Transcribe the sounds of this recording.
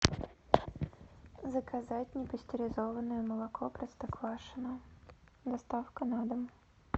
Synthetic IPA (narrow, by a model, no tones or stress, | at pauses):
zəkɐzatʲnʲɪpəsʲtʲɪɾʲɪzɔvənʊjʊmɐlˠɐkʰɔpɾɐst̪ɐkvaʂɨnʊ | d̪ɐst̪afkɐnad̪əm